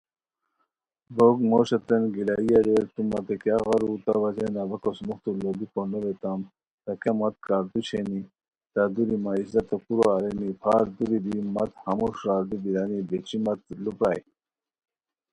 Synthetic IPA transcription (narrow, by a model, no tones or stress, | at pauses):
boɡmoːɕɐt̪enɡilaijɐɾeɾt̪umɐt̪ekjaɣɑɾut̪ɐʋɐzenɐbɐkosmuxt̪ulobiponoɾet̪am | t̪ɐkɐmɐt̪kaːɾt̪ut͡ɕʰeni | t̪ad̪uɾimaizɐt̪ɐkuɾoaɾenipʰaːɾd̪uɾid̪imɐt̪hɐmuʂɾaːɾd̪ibiɾanibet͡ɕimɐt̪lupɾaːj